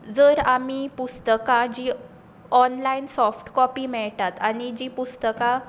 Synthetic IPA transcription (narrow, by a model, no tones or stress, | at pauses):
d͡zəːɾamiːpust̪əkad͡ʑiː | ɔnlainsɔfʈkɔpiːmɛɭʈat̪añid͡ʑiːpust̪əka